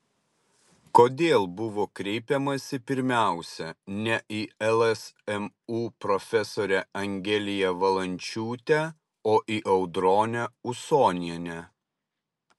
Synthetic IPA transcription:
koːd̪ʲeːlˠbʊʋoːkɾʲɛɪpʲɛmɐsʲɪpʲɪɾʲmʲæˑʊsʲɛnʲɛʔɪɛlˠɛsɛm | uːpɾɔfʲɛsoːɾʲɛɐŋʲɡʲɛlʲɪjɛʋɐlˠɐnʲt͡ʃʲuːt̪ʲɛ | oːʔiʔɐʊd̪ɾoːnʲɛʊsoːnʲɪɛnʲɛ

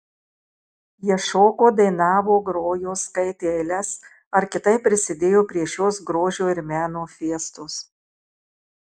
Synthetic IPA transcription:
jiɛʃoːkoːd̪ɐɪnɑːʋoːɡɾoːjoːskɐɪt̪ʲeːlʲɛs | ɐɾkʲɪt̪ɐɪpʲːɾʲɪsʲɪd̪ʲeːjoːpʲɾʲiɛʃʲoːsɡɾoːʒʲoːɪɾmʲæːnoːfʲiɛst̪ʊs

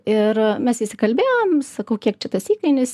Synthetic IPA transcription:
ɪrmʲɛsɪʃʲsʲɪkɐlʲbʲeːʋomsɐkɐʊkʲiɛk̚t͡ʃʲɛt̪ɐsiːkɐɪnʲʊs

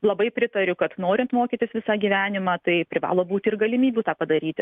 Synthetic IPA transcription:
lˠɐbɐɪpʲɾʲɪt̪ɐɾʲʊkɐt̪noːɾʲɪnt̪moːkʲit̪ʲɪsʋʲɪsɑːɡʲiːʋʲæːnʲɪmɑːt̪ɐɪpʲɾʲɪʋɑ̰ːlˠoːbuːt̪ʲɪrɡɐlʲɪmʲiːbʲuːt̪ɑːpɐd̪ɐɾʲiːt̪ʲɪ

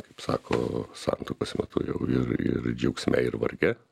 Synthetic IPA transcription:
kɐɪpsɑ̰ːkʰo̰ːsɑ̰nt̪oːkoːsmʲɛt̪ʊ̰jɛʊɪɾɪ̰ɾd͡ʒʲɛʊksʲmʲɛ̰ɪɾʋɐɾʲɡʲɛ

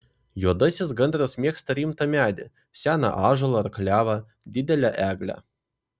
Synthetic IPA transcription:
juɔd̪ɐsʲɪs̬ɡɐnd̪ɾɐsmʲiɛkst̪ɐɾʲiːmt̪ɐmʲæːd̪ʲɪ | sʲæːnɐ̰ʔɑːʒɐlˠɐːɾkɐlʲæːʋɐ | d̪ʲɪd̪ʲɛlʲæʔæːɡlʲæ̰

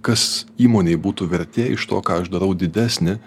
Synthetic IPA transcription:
kɐsiːmoːnʲeɪbuːt̪uːʋʲɛɾʲt̪ʲeːɪ̰ʃt̪oːkɑːɐʒd̪ɐɾɐʊd̪ʲɪd̪ʲæːsʲnʲɪ

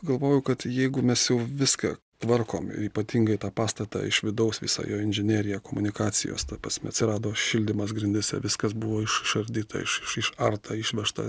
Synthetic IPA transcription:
ɡɐlˠʋoːjʊkɐt̪jɛɪɡʊmʲɛsjɛʊʋʲɪskɑ̰ | t̪ʋɐrko̰ːmɪ̰ɾiːpɐt̪ʲiːŋɡɐɪt̪ɑːpɑːst̪ɐt̪ɑ̰ːɪʃʋʲɪd̪ɐʊsʋʲɪ̰sɑ̰joːɪnʲʒʲɪnʲeːɾʲɪjɛkoːmʊnʲɪkɑːt͡s̪ʲɪ̰jo̰ːst̪ɐpɾɐsʲmʲɛ̰ɐt̪sʲɪɾɑːd̪oːʃʲɪlʲd̪ʲɪmɐsɡɾʲɪnʲd̪ʲɛsʲɛ̰ʋʲɪskɐsbʊʋoːɪʃɪʃɐɾʲd̪ʲiːt̪ɐ̰ɪ̰ʃɪʃɪʃɐrt̪ɐːɪʃʲʋʲɛʃt̪ɐ̰

